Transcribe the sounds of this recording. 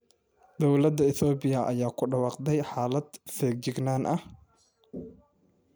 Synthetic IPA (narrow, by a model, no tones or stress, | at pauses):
d̪ɔwlɐd̪ɐɪθɔːbɪjɐʔɐjaːkʰʊɖɐwɑːqd̪ɛjħaːlɐd̪fɛːɡ̚d͡ʒɪɡnaːnʔɐh